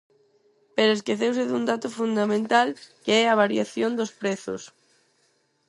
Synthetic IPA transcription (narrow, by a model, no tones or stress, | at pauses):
peɾʊeskeθews̬ɪðuŋd̪at̪ʊfund̪amẽnt̪alkeɛaβ̞aɾjaθjond̪ʊspɾɛθʊ̰s